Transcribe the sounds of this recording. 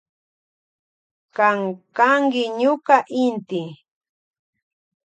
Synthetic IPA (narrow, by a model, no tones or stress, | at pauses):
kaŋkaŋkɪɲʊkaʔɪnt̪ɪ